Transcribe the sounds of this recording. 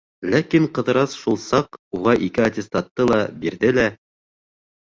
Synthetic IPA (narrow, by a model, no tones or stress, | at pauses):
lækiɴqɤ̆ðɤ̆ɾɑsʃulˠsɑquʁɑʔikɘat̪ʲɪst̪ɑt̪ːɤlˠɑbiɾðɘlæ